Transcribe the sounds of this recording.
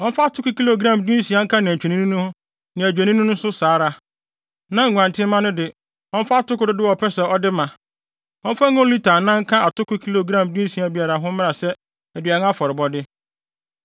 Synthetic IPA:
ɔ˦m̩˦fa˦tʰʊ˦kʊ˦kʰi˦lo˨ɡɾã˦˨mdĩ˦sĩ˨a˦ŋ̩˦kʰã˦nã˨t͡ɕᶣɛ˨nĩ˦nũ˦nʊ̃˦hʊ̃˦ | nã˨æ˨d͡ʑᶣe˨nĩ˦nʊ̃˦nʊ̃˦sʊ˦saː˨˦ɾa˦ | nã˦ŋ̩˨ŋʷ˨ã˨ntʰɪ̃˦mã˦nʊ̃˦dɪ˨ | ɔ̃˦m̩˦fa˦a˦tʊ˦kʊ˦dɪ˦dɪ˦wɔ˨pʰɛ˦sɛ˨ɔ˦dɪ˦mã˨ | ɔ̃˦m̩˦fa˦ŋʊ̃˦li˦tʰaː˨nã˦ŋ̩˦kʰã˦a˨tʰʊ˦kʊ˦kʰi˦lo˨ɡɾã˦˨mdĩ˦sĩ˨a˨bi˦a˨ɾa˨ɦʊ̃˦mɪ̃˦na˨sɛ˦ | æ˨dɥa˨nʊ̃˦a˦fɔ˨ɾɪ˨bɔ˦dɪ˦

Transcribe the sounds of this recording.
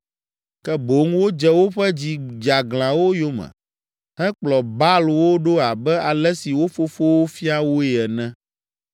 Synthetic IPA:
kɛ˦bo˨˦ŋwo˦d͡ʒɛ˦wo˦ɸɛ˦d͡ʑi˦d͡ʒa˨ɡlã˨wo˦jo˦mɛ̰̃˨ | hɛ̃˦k͡plɔ˨ba˦lwo˦ɖo˦a˨bɛ˦a˨lɛ˦si˨wo˦fo˦fo˦wo˦fi˦a˦wo˦ɛ˨ɛ˨nɛ̃˦

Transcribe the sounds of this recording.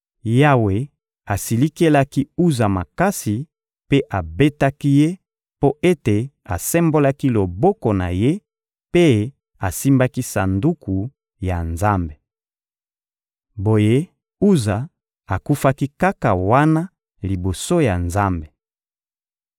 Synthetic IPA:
ja˦we˨ | a˨si˨li˦ke˦la˦ki˦u˦za˨ma˨ka˦si˨ | pe˦ʔa˨be˦ta˦ki˦je˦ | po˦e˦te˨ | a˨sɛ˦mbo˦la˦ki˦lo˨bɔ˦ko˨na̰˨je˦ | pe˦ | a˨si˦mba˦ki˦sa˨ndu˦ku˨ | ja˨nza˦mbe˨ | bo˨je˦ | u˦za˨ | a˨ku˦fa˦ki˦ka˦ka˨wa˦na˦ | li˨bo˨so˦ja˨nza˦mbe˨

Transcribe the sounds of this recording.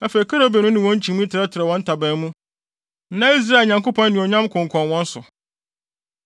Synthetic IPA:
æ˦fe˨i˨kʰa˦ɾo˦be˨nʊ̃˦nɪ̃˨wɔ̃˦ɲ̩˦t͡ɕʰĩ˨m˦ĩ˦tʰɪ˨ɾɛ˦tʰɪ˨ɾɛ˨wɔ̃˦n̩˦tʰa˨bæ̃˦n˦mũ˦ | nã˦i˦s̬ɾa˦˨lɲã˨ŋko˦pʰɔ̃˦n˦nɪ̃˨ɔ˨ɲã˦mkʰʊ̃˨ŋ̩˨kʰɔ̃˨nwɔ̃˦n̩˦sʊ̰˨

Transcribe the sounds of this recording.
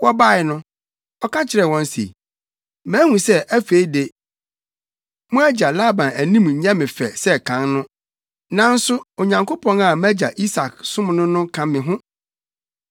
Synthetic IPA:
wɔ˦ba˦˨ɪ˨nʊ̃˦ | ɔ˦kʰã˦t͡ɕʰɪ˨ɾɛ˨wɔ̃˦n˦sḛ˨i˨ | mæ̃˦hũ˨sɛ˦ʔæ˦fe˦i˦de˨ | mʊ̃˦æ˦d͡ʑa˨la˦˨bã˨næ˨nĩ˦m˨ɲ̩˨ɲã˦mɪ̃˨fɛ̰˨sɛ˦kʰã˦nnʊ̃˦ | nã˨n̩˦sʊ˦o˨ɲã˨ŋkʰo˦pʰɔ̃˨na˨mæ˦d͡ʑa˨ʔi˦sa˨ksʊ̃˦m˨nʊ̃˦nʊ̃˦kʰã˦mɪ̃˨ɦʊ̃˦

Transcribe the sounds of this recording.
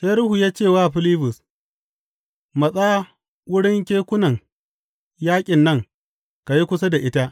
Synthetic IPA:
se˦ɾʊ˦hu˨jaː˦t͡ʃeː˦˨waː˦˨ɸɪ˦liː˦bʊ˨s | mɐ˨sʼa˦ | wʊ˦ɽɪ˦ŋkʲeː˦kʷʊ˦nɐ˨ŋ | jaː˦kʲʼɪ˨nːɐ˦˨ŋ | ka˨ji˦kʷʊ˦s̬a˦da˨ʔɪ˦ta˦

